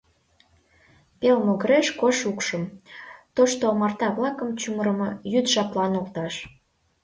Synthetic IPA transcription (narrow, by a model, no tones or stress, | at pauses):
pelmoɣəɾeʃkoʃukʃə̆mt̪oʃt̪omɑrt̪ɑβlɑkə̆mt͡ɕuməɾəmɤjyd̪ʒɑplɑnolt̪ɑʃ